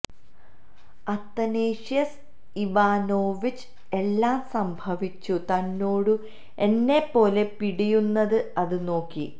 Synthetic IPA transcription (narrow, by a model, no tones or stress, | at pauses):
ɐt̪ːɐneːʂijɐs | iʋaːnoːʋit͡ɕː | e̞lːaːmsɐmbʱɐʋit͡ɕːut̪ɐnːo̞ːɽu | e̞nːe̞pːo̞ːle̞piɽijunːɐðɨɐðɨno̞ːkːi